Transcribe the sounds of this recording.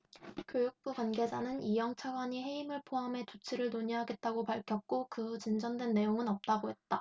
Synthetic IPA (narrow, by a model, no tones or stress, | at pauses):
kjojuk̚p͈ukwanɡe̞d͡ʑanɯnijʌŋt͡ɕʰaɡwaɲiɦe̞imɯɭpʰoɦamɦe̞t͡ɕut͡ɕʰiɾɯɭnoɲiɦaɡe̞t̚t͈aɡopaɭkʰjʌk̚k͈okɯut͡ɕind͡ʑʌndwe̞nːe̞joŋɯnʌp̚t͈aɡohe̞t̚t͈a